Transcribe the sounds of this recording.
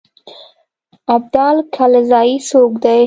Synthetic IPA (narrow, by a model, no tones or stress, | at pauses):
ab̚d̪ɑːlkʰalzɑisokd̪aj